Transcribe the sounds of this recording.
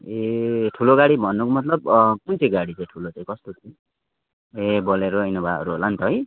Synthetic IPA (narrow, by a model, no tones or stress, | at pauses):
eʈʰuloɡaɽibʱʌnːukomʌt̪̬lʌb̚kunt͡sʰiɡaɽit͡saj̃ʈʰulot͡saj̃kʌst̪ot͡sĩ | ebʌleɾoʌjnobʱa̰ʌ̰ɾuɦolant̪ʌɦʌj